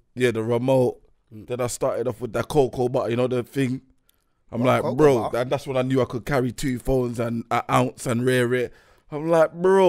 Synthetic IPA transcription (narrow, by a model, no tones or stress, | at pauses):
jæðəɹəmoʊt̚ | ðə̃naɪstɑˑtɪɾɔfwɪðəkʰoʊkʰobʌʔjɨnoʊðəθɪ̃ŋ | ãɪ̃mlaɪk̚bɹoʊə̃nðatswə̃naɪnjʉːaɪkʊd̚kʰaɹitʰuːfõʊ̃nzə̃nəʔãʊ̃ntsə̃nɹɛɹɛt | ãɪ̃mlaɪk̚bɹo